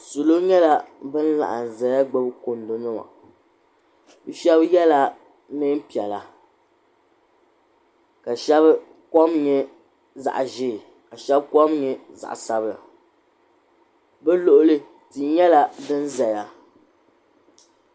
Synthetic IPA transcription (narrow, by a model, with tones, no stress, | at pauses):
su˨lo˦ɲɛ˦la˦bɨ˦n˦la̰˨ʔa˨n˨za˨ja˦ɡ͡bɨ˦bko˨n˦do˨nɨ˦ma̰˨ | bɨ˦ʃɛ˦bjɛ˦la˦ | nɨ˦n˦pi˨ɛ˨la˨ | ka˨ʃɛ˦b | kɔ˦mɲɛ˦ | za̰˨ʔʒɪ˦˨ | ka˨ʃɛ˦bkɔ˦mɲɛ˦za̰˨ʔsa˦bla̰˨ | bɛ˦lo˦ʔʊ˦lɨ˦ | tɨ˨ɲɛ˦la˦bɨ˦n˦za˨ja˦